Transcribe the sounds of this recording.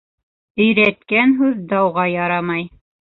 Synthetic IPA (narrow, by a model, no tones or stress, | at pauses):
ɵ̆jɾæt̪kænɦʉðd̪ɑwʁɑjɑɾɑmɑj